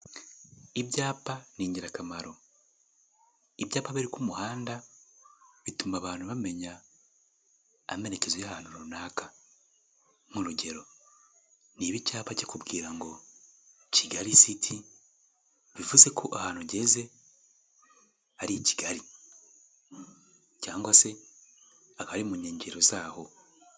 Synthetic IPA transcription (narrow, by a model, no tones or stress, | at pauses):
ibjaːpaniːɲɟiɾakamaɾo̞ | ibjaːpaβiɾikumuhaːnda | βitumaβaːnuβame̞ɲa | me̞ɾe̞ce̞zwejahaːn̥uɾunaːkʰḁ | muɾuɟe̞ɾo̞ | niβicaːβaɟekubɡiːɾaŋɡo̞ | ciɡaɾisitʰi | βivuze̞kʰo̞ʔahaːnuɟe̞ze̞ | aɾici̥ɡaɾi | caːŋɡwase̞ | akaaɾimuɲeːɲɟeɾo̞zaːho̞